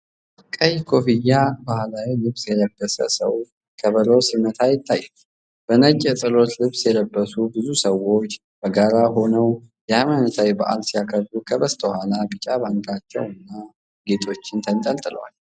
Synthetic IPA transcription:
ʔakʼːəjkʰo̞fijːabahlawilɨβsjɛləbːəsə̰sə̰w | kʰəβəlosimət̪ʰajɪt̪ʰːajːɛ | b̥ənət͡ʃʼːɛsʼɨlo̞t̪lɨβsjɛləbːəsubɨzusəwo̞t͡ʃː | b̥əɡaɾaɦo̞nəw | jɛajmanət̪ʰawibaʔa̰lsijakʰəɾdukʰəβəst̪ʰʼəhalabɨt͡ʃʼaβaŋkʼat͡ʃːɛ̰wɨnːa | ɡe̞t̪ʰo̞t͡ʃːɪnt̪ʰənt̪ʼəlt̪ʼɨlə̰wa̰l

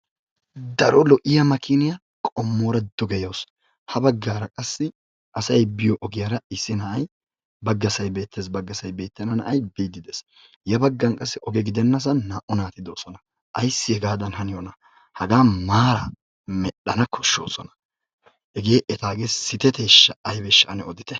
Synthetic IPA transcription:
d̪ɐɾɔlɔʔɪjɐmɐkʰɪnɪjɐ | kʼɔmːoːɾɐd̪̥ɔɡɛjoːs | hɐbɐɡːaːɾɐkʼɐsːɪ | ʔɐsɐjbɪjɔʔɔɡɪjɐɾɐɪsːɪnɐʔɐj | bɐɡːɐsɐjbe̞ːt̪ʰːeːsbɐɡːɐsɐjbe̞ːt̪ːɛnɐnɐ̰ʔɐjbiːd̪ɪd̪ɛs | jɐbɐɡːɐnkʼɐsːɪʔɔɡɛɡɪd̪ɛnːɐs̬ɐnːaːʔɔnaːt̪ɪd̪oːsɔnɐ | ʔɐjsːɪɛɡaːd̪ɐnhɐnɪjɔnɐ | hɐɡaːmaːɾɐ | mɛɗːɐnɐkʰɔʃːoːsɔnɐ̥ | ɛɡe̞ːʔɛt̪aːɡeːsɪt̪ɛt̪eːʃːɐɐjbɛʃːɐʔɐnɛɔd̪ɪt̪ɛ

